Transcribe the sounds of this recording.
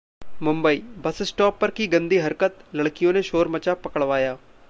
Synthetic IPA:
mʊ̃mbəiːbɐsɪsʈɔːpːɐɾkiːɡə̃nd̪iːɦɐɾkət̪ləɽkɪjõːneʃoːɾmət͡ʃaːpɐkəɽʋaːjaː

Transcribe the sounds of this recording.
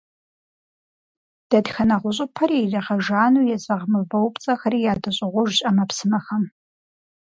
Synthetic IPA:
d̥ɐdxɐnɐʁʷʊɕ̬ʼɪpʰɐɾiːrɐʁɐʒaːnujɛzʼɐʁmɨbɐwpt͡sʼɐxɐɾiːjaːdɨɕʼɪʁʷʊʒɕʼɐmɐpsɨmɐxɐm

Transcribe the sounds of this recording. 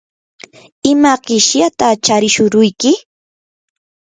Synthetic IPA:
ɪmaɢɪʃjat̪at͡ʃaɾɪʃʊɾʊjkɪ

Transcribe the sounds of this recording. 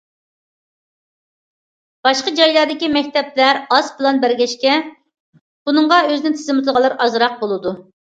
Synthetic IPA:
b̥ɑʃqəd͡ʒɑjlˠɑɾd̪ɪkʲimɛkʲt̪ʰɛplæɾɑspɨlˠɑnbæɾɡʲɛʃkʲɛ | b̥unɨɴʁɑøzɪnɪt̪ʰɪzɨmɪt̪ʰlˠəʁɑlˠɨɾɑzɾɑq̚bolˠɨd̪u

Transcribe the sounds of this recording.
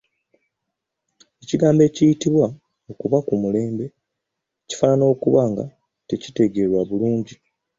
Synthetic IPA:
e̞ciɡaːmbe̞ːcijitiβwa | o̞kuβakumule̞ːmbe̞ | ci̥fanano̞ːkuβaːŋɡa̰ | te̞ci̥te̞ɡe̞ɾwaβuluːɲɟi

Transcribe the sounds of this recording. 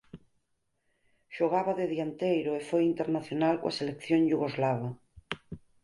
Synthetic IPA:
ʃoɣaβaðeðiant̪ejɾoefojint̪eɾnaθjonalko̰a̰selekθjoŋʎuɣozlaβa

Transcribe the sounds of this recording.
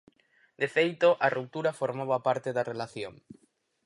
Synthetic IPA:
d̪̥efejt̪oʔarup̚t̪uɾafoɾmaβapaɾt̪eðarelaθjoŋ

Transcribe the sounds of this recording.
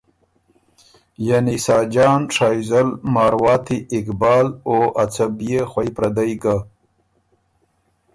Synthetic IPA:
janisɑːd͡ʒɑːnʂɑːjzalmɑːɾwɑːt̪iɪkbɑːloʔat͡sabijexwajpɾad̪ajɡa

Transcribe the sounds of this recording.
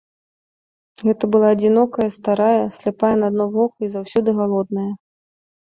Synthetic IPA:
ɣɛt̪ɐbɨlˠaːd͡zʲinɔkɐjɐst̪aɾajɐsʲlʲɛpajɛnɐad̪nɔvɔkuizawsʲɔd̪ɨɣalˠɔd̪̚nɐjɐ

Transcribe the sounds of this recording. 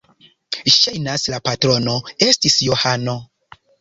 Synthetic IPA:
ʃajnaslapatɾo̞no̞e̞stisjohano̞

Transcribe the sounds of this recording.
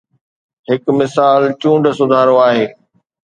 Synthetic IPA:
ɦɪkmɪsaːlt͡ɕũːɳɖsʊd̪ʱaːɾoaːɦeː

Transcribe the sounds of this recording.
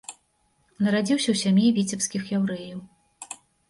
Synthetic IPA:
nɐɾad͡zʲiwsʲɐwsʲamʲjivʲit͡sʲɛpskʲixjawɾɛjɐw

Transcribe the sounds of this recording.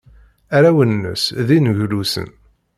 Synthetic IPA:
æɾæwənːə̰sðinʝlusə̰n

